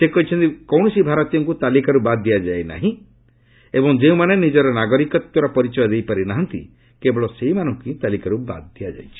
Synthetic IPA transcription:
sekɔɦit͡ʃʰɔnt̪ikɔwɳ̃ɔsibʱaɾɔt̪jɔŋkut̪alikaɾubad̪ːijad͡ʒajna̰ɦĩ | ebɔŋd͡ʒeũmanenid͡ʒɔɾɔnaɡɔɾikɔt̪jɔɾɔpɔɾit͡ʃɔjɔd̪ejpaɾinaɦɔnt̪ḭ | kebɔɭɔseimanɔŋkit̪alikaɾuba̰d̪̚d̪ijad͡ʒa̰jt͡ʃʰi̥

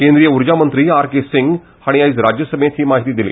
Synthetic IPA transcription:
kẽnd̪ɾijəuɾd͡ʑamənt̪ɾiːaɾkesiŋɡ | haɽ̃iaiːt͡sɾad͡ʑjəsəmet̪ɦiːmaɦit̪iːd̪ilḛː

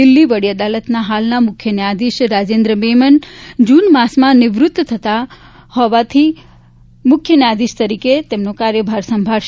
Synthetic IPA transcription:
ɪlːiʋəɽiəd̪alət̪naɦalnamʊkʰjəniad̪iʃɾad͡ʒend̪ɾəmemənd͡ʒunmasmãnɪʋɾʊt̪ːt̪ʰət̪a | hɔʋat̪ʰi | mʊkʰjəniad̪iʃt̪əɾiket̪emnokaɾjəbʱaɾsəmbʱaɭʃ

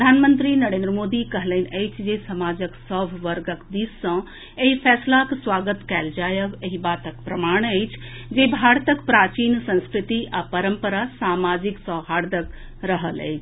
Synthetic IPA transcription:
pɾəd̪ʱaːnmə̃nt̪ɾinɐɾeːnd̪ɾəmoːd̪ikəɦlənəjt͡ʃʰd͡ʒesɐmaːd͡ʒəksɔːʋʱʋəɾɡəkd̪iːssɐ̃ | eɦipʰɛːslaksʋaːɡət̪kɛːld͡ʒaːjəʋeɦibaːt̪əkpɾɐmaːɳ̃əjt͡ʃʰ | d͡ʒebʱaːɾt̪əkpɾaːt͡ʃiːnsə̃nskɾɪt̪iʔapəɾəmpəɾasaːmaːd͡ʒɪksɔʋɦaːɾd̪ək | ɾəɦəlɛ̰ːt͡ʃʰ

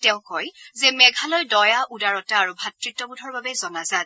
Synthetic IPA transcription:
tɛʊ̃kɔjzɛmɛɡʱalɔjdɔjaʔudaɹɔtaːɹubʱatɹitːɔbudʱɔɹbabɛzɔnazat̚

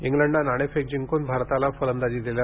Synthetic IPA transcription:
iŋɡləɳɖanaɽ̃efek̚d͡ʑiŋkonbʱaɾt̪alafəɾənd̪ad͡ʑiːd̪ilja

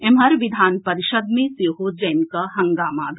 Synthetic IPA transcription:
emɦɐɾʋid̪ʱaːnpɐɾiʃəd̪mẽsiɦod͡ʒɐːnkɐɦɐŋɡaːmaːd̪ʱ

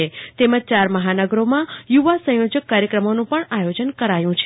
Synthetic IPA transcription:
et̪eməd͡ʒ̚t͡ʃaɾməɦanəɡɾomãjuʋasə̃jod͡ʒəkːaɾjəkɾəmonũpəɳajod͡ʒənkəɾajũt͡ʃʰ

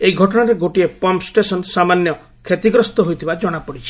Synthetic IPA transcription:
eiɡʱɔʈɔɽ̃aɾeɡoʈiepɔmpsʈesɔnsamanjɔ | kʰet̪iɡɾɔst̪ɔɦojt̪ʰibad͡ʒɔɽ̃apɔɽit͡ʃʰi̥

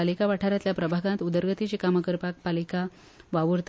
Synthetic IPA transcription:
alikaʋaʈʰaɾjat̪ljapɾəbʱaɡãnt̪ud̪əɾɡət̪it͡ɕikaməkəɾpak̚palika | ʋaʋuɾt̪

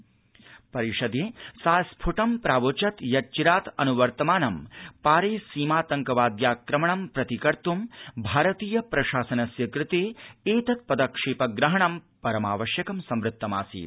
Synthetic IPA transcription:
pɐɾiʂɐd̪eːsaːspʰuʈɐmpɾaːʋoːt͡ʃɐt̪jɐt͡ʃiɾaːt̪ɐ̰nuʋɐɾt̪ɐmaːnɐmpaːɾeːsiːmaːt̪ɐŋkɐʋaːd̪jaːkɾɐmɐɳɐmpɾɐt̪ikɐɾt̪umbʱaːɾɐt̪iːjɐpɾɐʃaːsɐnɐsjɐkɾɪt̪eːeːt̪ɐt̪̚pɐd̪ɐkʂeːpɐɡɾɐɦɐɳɐmpɐɾɐmaːʋɐʃjɐkɐmsɐmɾɨt̪ːɐma̰ːsḭː

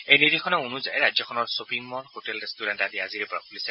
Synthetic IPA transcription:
ejnidikʰɔnɔunuza̰jɹajzɔkʰɔnɔɹsopʰɹiŋmɔɹhotɛldɛstuɾɛntadiaziɹpɔɹapulisɛ

